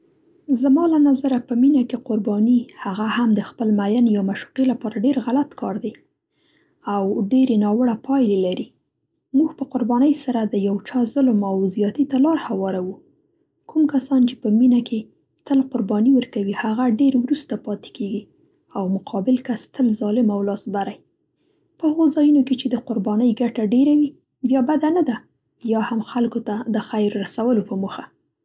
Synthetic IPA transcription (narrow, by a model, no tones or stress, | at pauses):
zamɑlanazaɾapəminakeqʊɾbɑnihaɣahamd̪əxpəlmajanjamaʃu̥qelapɑɾaɖeɾɣalat̪kʰɑɾd̪e | awɖeɾenɑwəɽapɑjlelaɾi | muɡpəqʊɾbɑnəjsaɾad̪əjawt͡ʃɑzʊlmawzijɑt̪it̪alɑɾhawɑɾawu | kʰumkasɑnt͡ʃepəminakʰe | t̪əlqʊɾbɑniwəɾkawihaɣaɖeɾwɾust̪apɑt̪e̥keɡi | awmʊqʰɑbɪlkast̪əlzɑlɪmawlɑsbaɾaj | pəhəɣozɑjunoket͡ʃed̪əqʊɾbɑnəjɡaʈaɖeɾawi | bjɑbad̪anad̪a | jɑhamxalkot̪ad̪əxajɾːasawəlopəmuxa